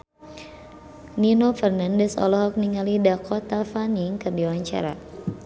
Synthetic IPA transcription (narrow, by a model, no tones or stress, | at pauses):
ninofɛrnandɛsɔ̰lɔɦɔk̚niŋalidakʰɔt̪afaniŋkərdiwaɲt͡ʃa̰ɾa̰